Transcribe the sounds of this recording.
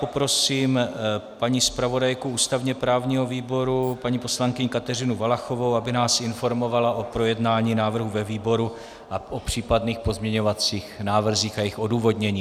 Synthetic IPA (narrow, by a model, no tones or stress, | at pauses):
popɾo̞siːmpaɲiːspɾavo̞dajkuuːst̪avɲɛpɾaːvɲiːɦo̞viːbo̞ɾupaɲiːpo̞slaŋkɪɲkat̪ɛrɪnuvalaxo̞vo̞wabɪnaːsɪnfo̞ɾmo̞valaʔo̞pɾo̞jɛdnaːɲiːnaːvr̩ɦuvɛviːbo̞ɾu | ʔaʔopr̝̥iːpadniːxpo̞zmɲɛɲo̞vat͡siːxnaːvr̩ziːxajɪxʔo̞duːvo̞dɲɛɲiː